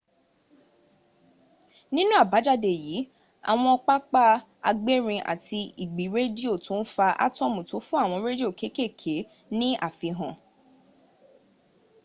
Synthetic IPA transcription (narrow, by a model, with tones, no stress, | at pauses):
nĩ˦nũ˦a˦˨ba˨˦d͡ʒa˦˨de˨jiː˨˦ | a̰˨w̃ɔ̃˧ɔ˧k͡pa˦k͡pa˦ | a̰˧ɡ͡be˦ɾ̃ĩ˧ʔa̰˨ti˧i˨ɡ͡bi˨˦ɾe˦di˦o˦˨to˨˦n̩˦fa˧ʔa̰˦tɔ˦˨mũ˨to˨˦fũ˦a˦˨w̃ɔ̃˧ɾe˦di˦o˦˨ke˨˦ke˦˨kʰe˨˦ | nĩ˦ʔa̰˦˨fi˧ɦɔ̃˨